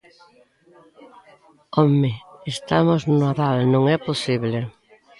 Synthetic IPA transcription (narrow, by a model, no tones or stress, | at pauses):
ɔmɪest̪amoznʊaðalnõŋɛposiβle